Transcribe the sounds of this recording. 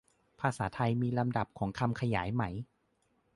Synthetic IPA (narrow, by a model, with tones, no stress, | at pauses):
pʰaː˧saː˩˦t̪ʰa˧jmiː˧la˧mda˨˩p̚kʰɔː˩˦ŋkʰa˧mkʰa˧jaː˩˦jma˩˦j